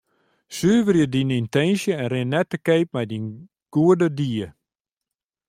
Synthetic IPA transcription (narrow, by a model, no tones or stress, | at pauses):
syːvərjədinintɛnsjəɛnrɪnːɛtəkeːp̚mɛjdin | ɡ̥uədədiːə